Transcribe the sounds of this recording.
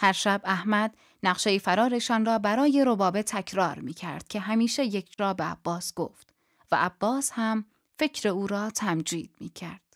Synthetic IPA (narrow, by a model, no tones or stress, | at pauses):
hæɾʃæbæhmæd̪ | næqʃejifæɾɒːɾe̞ʃɒːnrɒːbæɾɒːje̞ɾobɒːbet̪ʰːæcʰɾɒːɾmiːcʰæ̰ɾd̪̥̚cʰe̞ɦæmiːʃe̞je̞kʰd͡ʒɾɒːbeæ̰b̥ːɒːsɡ̥o̰ːft̪ | væ̰ʔæb̥ːɒːshæm | fe̞cʰɾeuːɾɒːt̪ʰæmd͡ʒḭːd̪̥̚miːcʰæɾd̪̥